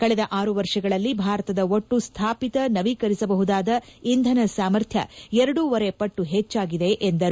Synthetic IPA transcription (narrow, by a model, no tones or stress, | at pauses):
kɐɭɛd̪ɐʔaːɾuʋɐɾʂɐɡɐɭɐlːibʱaːɾɐt̪ɐd̪ɐoʈːust̪ʰaːpit̪ɐnɐʋikɐɾisɐbɐɦud̪aːd̪ɐind̪ʱɐnɐsaːmɐɾt̪ʰjɐ̰ɛɾɐɽuʋɐɾe̞pɐʈːuɦet͡ʃːaːɡid̪e̞ʔend̪ɐɾ